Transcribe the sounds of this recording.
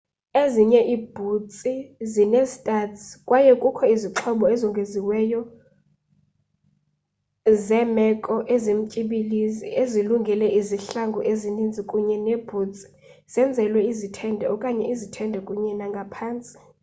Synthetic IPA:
eziɲɛʔiːb̥ʱut͡sʼizinezitʼatʰʼkʼwajɛkʼukʰɔiziǁʰɔɓɔezɔŋɡʱeziwɛjɔ | zɛmɛkʼɔʔezem̩cʼiɓilizḭeziluŋɡʱɛlɛʔiziɬaŋɡʱɔʔezinind͡zʱikʼuɲɛneb̥ʱuːt͡sʼi̥ | z̥ɛnd͡zʱɛlwɛizitʰɛndʱɛɔkʼaɲɛʔizitʰɛndʱɛkʼuɲɛnaŋɡʱapʰaːnt͡sʼi̥

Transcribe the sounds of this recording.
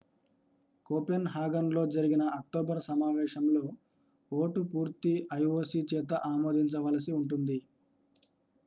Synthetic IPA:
koːpenɦaːɡɐnlo̞ːd͡ʒɐɾiɡinɐɐk̚ʈoːbɐɾsɐmaːʋɛːʃɐmlo̞ː | oːʈupuːɾt̪iɐjoːsit͡ʃɛːt̪̬ɐʔaːmo̞ːd̪iɲt͡ʃɐʋɐlɐsiuɳʈund̪i

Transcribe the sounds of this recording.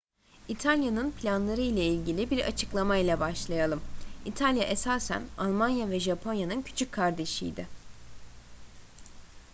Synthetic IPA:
it̪ʰalʲjanɯnpʰlʲanlˠaɾɯjlʲailʲɟilʲibiɾa̰t͡ʃʰɯklˠamajlʲˠabaʃlˠajalˠɯmit̪ʰalʲjaʔesaːsæ̰nalˠmanjavɛʒapʰo̞njanɯncʰy̥t͡ʃʰyckʰːaɾd̪e̞ʃḭjd̪ɪ

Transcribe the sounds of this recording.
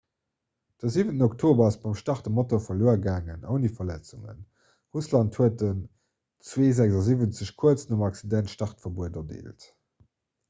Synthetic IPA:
d̥əziːvəntənɔktʰoːbɐɑsb̥ɑmʃtɑχtəmotofɐloːɐɡaːŋənəʊnifɐlæt͡suŋə̰n | ʁuslɑnthuət̚ən | t͡sweːzækzɑziːvənt͡səɕkʰuət͡snumɑksidæntʃtɑχtfɐbuədɐdḛːlt

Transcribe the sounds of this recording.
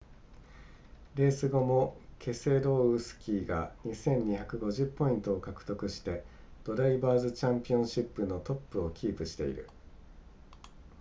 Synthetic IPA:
ɾe̞ːsɨɡo̞mo̞kʰe̞se̞ɾo̞ːɯsɨ̥kʲiːɡa̰ɲ̟isẽ̞ɲ̟ɲiçakɯ̟ɡo̞ʑɨpːo̞ĩnt̪o̞ːkakɯ̟̥t̪o̞kɯ̟ɕi̥t̪e̞ | d̪̥o̞ɾaibaːzɨt͡ɕãmpʲiõ̞ɰ̃ɕipːɯ̟no̞t̪o̞pːɯ̟o̞kʲiːpɯ̟ɕi̥t̪e̞̰ḭɾɯ̟̰

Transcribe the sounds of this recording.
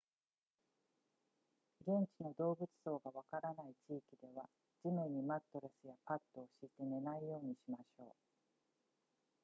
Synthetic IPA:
ɡẽ̞ɲt͡ɕino̞d̪o̞ːbɯ̟t͡sɨ̥so̞ːɡaβakaɾanait͡ɕiːkʲid̪e̞βa | d͡ʑimɯ̟ɲ̟ːimat̪ːo̞ɾe̞sɨjapat̪ːo̞ːɕiːt̪e̞ne̞naijo̞ːɲ̟iɕimaɕo̞̰ː

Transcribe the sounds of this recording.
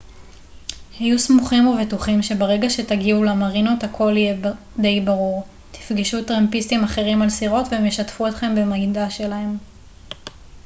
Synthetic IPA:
hajusmuχimuvetuχimʃe̞baʁe̞ɡaʃe̞taɡiulamaʁinothakʰo̞le | d̪e̞jbaʁuʁ | t̪i̥fɡiʃut̪ʁempist̪imaχe̞ʁimalsiʁo̞tvemjeʃatfuetχe̞mbe̞maɡidaʃe̞lae̞m

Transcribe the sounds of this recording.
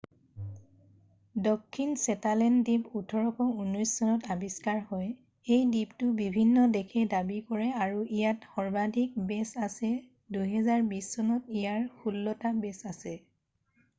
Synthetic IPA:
dɔkʰːinsɛtalɛndiputʰɔɹɔkɔunɔjsːɔnɔtabiskaɹhɔj | ejdiptʊbibʱinːɔdɛkʰɛdabikɔɹɛaɹuʔijatxɔɹbadʱik̚bɛsasɛ | duɦɛzaɹbisːɔnɔt̚ijaɹxulːɔtabɛsasɛ

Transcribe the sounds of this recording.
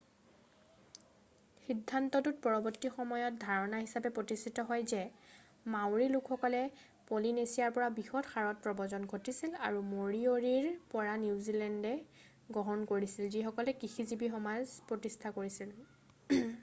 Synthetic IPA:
xidʱːantɔtut̚pɔɹɔbɔtːixɔmɔjɔt̚dʱaɹɔnaɦisapɛpɹotistʰitɔɦɔjzɛ | mawɹilʊkʰxɔkɔlɛ | polinesijaɹpɔɹabixɔtxaɹɔt̚pɹɔbɔzɔnɡʱotisila̰ɹumoɹioɹiɹpɔɹaniwzilɛndɛ | ɡɹɔɦɔnkoɹisilzixɔkɔlɛkixizibixɔmazpɹotistʰakoɹisil

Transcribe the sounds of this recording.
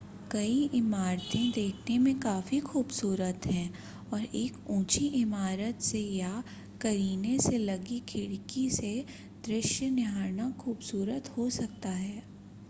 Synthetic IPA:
kɐiʔɪmaːɾt̪ẽd̪eːkʰnemẽkaːfixuːbsuːɾət̪ɦɛ̃ː | ɔːɾeːkũːt͡ʃiʔɪmaːɾət̪seja | kɐɾiːneselɐɡikʰɪɽkise | d̪̥ɾɪʃjənɪɦaːɾnaxuːbsuːɾət̪hosɐk̚t̪aɦɛː

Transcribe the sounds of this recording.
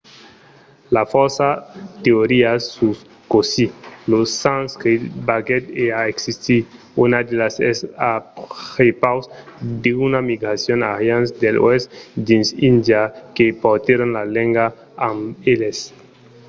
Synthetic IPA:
lafoɾsat̪eoɾiasus | kosilosːanskɾit̪baɡet̪eaeksist̪i | unad̪elasesaxepawsd̪eunamiɡɾasjonaɣjansd̪elo̰esd̪ĩnsind̪jakepoɾt̪jeɾonlalẽŋɡa | ameles

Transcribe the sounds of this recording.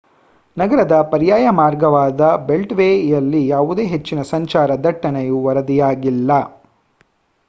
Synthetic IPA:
nɐɡɐɾɐd̪ɐpɐɾijaːjɐmaːɾɡɐʋaːd̪ɐbe̞lʈʋejɐlːijaːʋud̪e̞ːɦe̞t͡ʃːinɐsɐɲt͡ʃaːɾɐd̪ɐʈːɐnejuʋɐɾɐd̪ijaːɡilːɐ

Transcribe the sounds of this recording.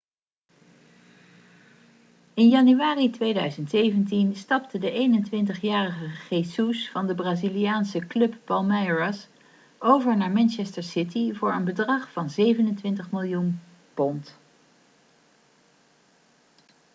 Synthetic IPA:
ɪnjɑnyʋaːritʋejdœɥzəntsejvəntinstɑp̚tʰədəʔejnəntʋɪntəχjaːrəχəχejsusfɑndəbraːzilijaːnsəklɵpːɑlˠmɛjɹas | owvəɹnaːɹmɛnt͡ʃɛstəɹsɪtivʊːɹə̰nbədrɑχfɑnzejvənəntʋɪntəχmɪlˠjun | pɔnt

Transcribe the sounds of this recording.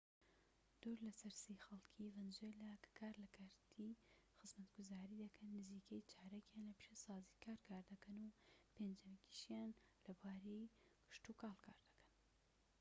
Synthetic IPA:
d̪̥uɾlɐsɐɾseːxɐlˠkʰivɐnd͡ʒelakḁkʰaːɾlɐkʰaːɾt̪ʰi | xɨzmɐt̪ɡʊzaːɾiːd̪ɐkʰɐnːɨziːkʰɐjt͡ʃʰaːɾakjaːnlɐpʃasɑːzikʰaːɾkʰaːɾd̪ɐkɐnupʰend͡ʒɐmkʰi̥ʃjaːnlɐbaːɾejkʰɨ̥ʃt̪ukaːlˠkʰa̰ːɾd̪ɐ̥kʰɐ̥n

